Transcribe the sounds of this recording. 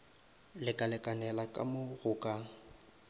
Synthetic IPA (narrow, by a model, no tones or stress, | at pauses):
lɪkʼalɪkʼanɛlakʼa̰mʊɣʊːkʼa